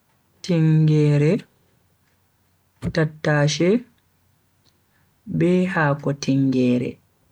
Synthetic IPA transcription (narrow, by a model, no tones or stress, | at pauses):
tiŋɡɛːɾɛ | tatːaːʃɛ | bɛːhaːkɔtʰiŋɡɛːɾɛ̰